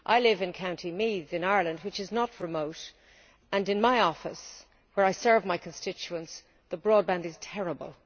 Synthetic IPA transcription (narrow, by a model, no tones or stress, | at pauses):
ʔaɪlɪvɨ̃nkʰãʊ̃ntʰimiðɨ̃naɪə˞lə̃nd̚wɨt͡ʃɨznət̚ɹɨmoʊɾ | ə̃nɨ̃nmaɪɔfəs | wə˞aɪsɜ˞vmaɪkʰə̃n̩stɪt͡ʃuə̃ns | ðəbɹɔd̚bæ̃ndɨz̥tʰɛɹəbə̰lˠ